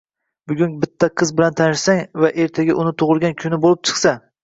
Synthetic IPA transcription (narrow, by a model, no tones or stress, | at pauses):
bʊɡʲʊnbɪt̪ʰːaqʰɨzbɪlant̪ʰanɪʃsaŋvaʔe̞ɾt̪ʰaɡʲaʔʊnɪt̪ʰoʁɨlˠɡʲankʲʰʊnɪbolˠɪp̚t͡ʃʰɨ̥χsa